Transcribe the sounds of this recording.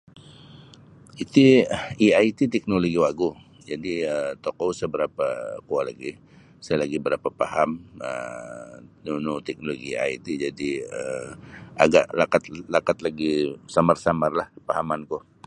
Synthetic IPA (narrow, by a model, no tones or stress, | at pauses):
it̪iiait̪it̪ɛk̚noloɡiwaɡu | d͡ʒadiəmt̪okowsəbəɾapakualaɡi | sajalaɡibəɾapapaɦamə̰ | nunut̪ɛk̚noloɡia̰it̪id͡ʒadiə | ʔa̰ɡaʔlakat̪lakat̪laɡisamarsamarlahpaɦamanku